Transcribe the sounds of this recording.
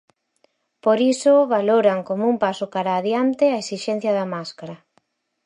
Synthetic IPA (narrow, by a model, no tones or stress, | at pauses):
poɾisoβaloɾaŋkomoumpasokaɾaːðjant̪eaesiʃɛn̟θjɐðɐmaskaɾɐ